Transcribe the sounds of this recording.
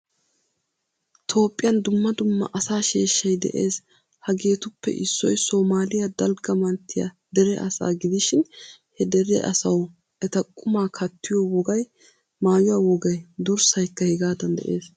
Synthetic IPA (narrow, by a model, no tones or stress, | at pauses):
t̪ʰo̞ːpʼːɪjɐnd̪ʊmːɐd̪ʊmːɐ̰ʔɐsaːʃeːʃːɐjd̪ɛ̰ʔeːs | hɐɡe̞ːt̪ʊpːɛ̰ʔɪsːɔjsoːmaːlɪjɐd̪ɐlɡɐmɐnt̪ʰːɪjɐ̰ | d̪ɛɾɛʔɐsa̰ːɡɪd̪ɪʃɪnhɛd̪ɛɾɛ̰ʔɐ̰sɐw | ʔɛt̪ɐkʼːʊmaːkʰɐt̪ːɪjɔwɔɡɐj | maːjʊwɐwɔɡɐjd̪ʊɾsɐjkːɐhɛɡaːd̪ɐnd̪ɛ̰ʔeːs